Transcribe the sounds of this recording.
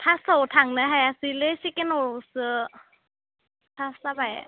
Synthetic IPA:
t̪ʰasot̪ʰaŋnaɦajasilesikenosɯ | t̪ʰasabaj

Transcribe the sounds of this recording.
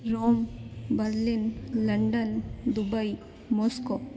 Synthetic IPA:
ɾombəɾlinləɳɖənd̪ubaj | mosko

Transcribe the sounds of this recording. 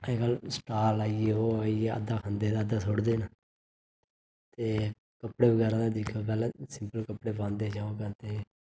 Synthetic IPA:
eːkəlsʈaːlaːieːɦoːaːieə̰d̪aːkʰãnd̪eːd̪aːəd̪aːsoɽd̪eːna | t̪eː | kəpɽeːbəɡɛːɾãːd̪aːd̪ɪkʰoːpɛːlɛ̃ːsɪmpəlkəpɽeːpãːnd̪eːt͡ʃaːõːkət̪eː

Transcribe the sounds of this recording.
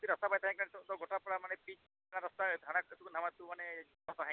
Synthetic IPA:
t̪iɾɔst̪apajt̪ʰaɦãĩkaɽ̃tɔt̪ɔɡoʈapɔɽamanepit͡ʃd̪ʰʱaɽ̃aɾɔst̪ad̪ʱaɽ̃akt̪ukun̤amat̪umane | ɾɔt̪aɦã

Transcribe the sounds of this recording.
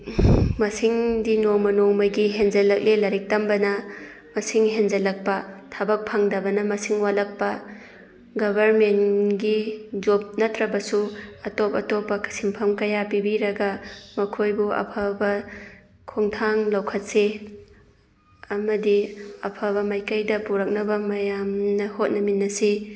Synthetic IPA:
mɐsiŋdinoŋmɐnoŋmɐjɡiɦend͡ʒɐlɐk̚lelɐɾik̚tɐmbɐnɐ | mɐsiŋɦend͡ʒɐlɐk̚pɐtʰabɐk̚pʰaŋdɐbɐnɐmɐsiŋwalɐk̚pɐ | ɡɐbʱɐɾmenɡid͡ʒop̚nɐtɾɐbɐsuɐtopɐtopːɐksimpʰɐmkɐjapibiɾɐɡɐmɐkʰojbuʔɐ̰pʰɐbɐ | kʰoŋtʰaŋlɐwkʰɐt̚se | ɐmɐdiɐpʰɐβɐmajkɐjdɐpuɾɐk̚nɐbɐmɐjamnɐhot̚nɐminːɐsi

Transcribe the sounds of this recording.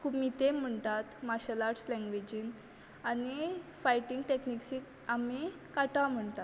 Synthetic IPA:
kʰubmit̪em̤əɳt̪at̪maɕəlaʈslɛ̃ŋɡʋed͡ʑin | anifajʈiŋɡʈekniksik | ami | kaʈam̤əɳt̪at̪

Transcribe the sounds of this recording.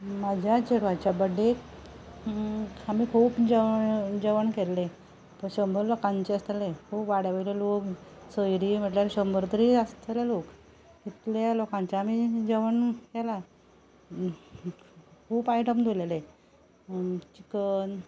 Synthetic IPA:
mad͡ʑʱjat͡ɕeɽʋat͡ɕjabəɖe | amiːkʰuːpd͡ʑəd͡ʑəʋəɳkelːe | pəɕəmbʱəɾlokãɲt͡ɕeəst̪elekʰuːpʋaɽjaʋəleloksəjɾiːm̤əʈljaɾɕəmbɾt̪ɾiəst̪ʰelelok | kit̪ljalokãɲt͡saːmiːd͡ʑəʋənkela | kʰuːpajʈəmd̪ʱolele | t͡ɕikən

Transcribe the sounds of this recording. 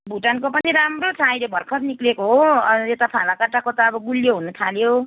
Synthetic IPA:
bʱuʈankopʌniɾamrot͡sʰajlebʱʌrkʰʌt̪niklekoɦoet̪apʰalakaʈakot̪aʌbʌɡuljoɦunut̪ʰaljo

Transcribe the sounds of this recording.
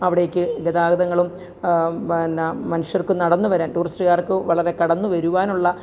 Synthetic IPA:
ɐʋiɽejokʲːɨɡed̪aːɡɐðɐŋːɐɭum | nmɐnuʂjɐrkɨnɐɽɐnːuʋɐɾaːnʈuːrisʈɨɣaːrkːɨʋɐɭɐɾe̞kɐɽɐnːuʋɐɾuʋaːnuɭːɐ

